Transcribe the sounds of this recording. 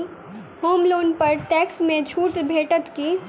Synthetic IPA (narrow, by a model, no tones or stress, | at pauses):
ɦoːmloːnpɐɾʈɛːksmẽt͡ʃʰuːʈbʱeːʈət̪ki